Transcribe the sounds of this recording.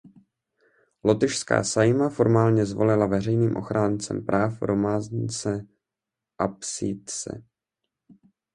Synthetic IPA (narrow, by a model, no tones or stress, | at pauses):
lo̞t̪ɪʃska̰ːsajmafo̞ɾmaːlɲɛzvo̞̰lɪlavɛrɛjniːmʔo̞̰xɾaːnt͡sɛ̰mpɾʔaːfɾʔo̞maːzɲɪt͡sɛ | ʔapsit̪t͡sɛ̰